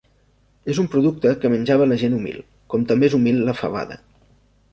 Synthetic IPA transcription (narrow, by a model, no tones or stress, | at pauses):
ezumpɾuðuk̚t̪əkəmənʲd͡ʒaβələʒenumḭlˠ | kɔmt̪əmbeezumilˠləfə̰β̞a̰ðə̰